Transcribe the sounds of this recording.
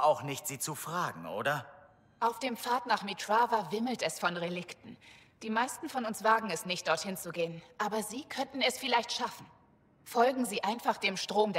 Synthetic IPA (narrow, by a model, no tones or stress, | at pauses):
aʊxnɪçtz̥iːt͡sufʁ̥aːɡŋ̩ʔo̰ːdɐ | ʔaʊfd̥eːmfaːɐtnaːχmitʰʁavavɪml̩tɛsfɔnʁelɪktn̩ | d̥iːmaɪstn̩fɔnʊnsv̥aːɡŋ̩ɛsnɪçt̚d̥ɔɐthɪnt͡suɡeːənʔaːbɐziːkʰœntn̩ɛsfɪlaɪçtʃafn̩ | fɔlɡŋ̩ziːʔaɪnfaχd̥eːmʃtʁ̥oːmd